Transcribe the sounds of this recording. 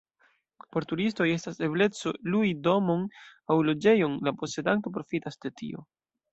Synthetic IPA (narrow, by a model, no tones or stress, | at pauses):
po̞ɾtuɾisto̞je̞stase̞ble̞t͡so̞luido̞mo̞nawlo̞d͡ʒe̞jo̞nlapo̞se̞danto̞p̬ɾo̞fitasd̥e̞tḭo̞̰